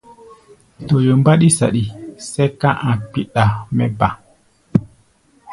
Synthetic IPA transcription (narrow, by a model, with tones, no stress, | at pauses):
to˨jo˨mba˦ɗi˦sa̰˨ɗi˨sɛ˦kã˦ʔã˨k͡pi˨ɗa˨mɛ˦ba˨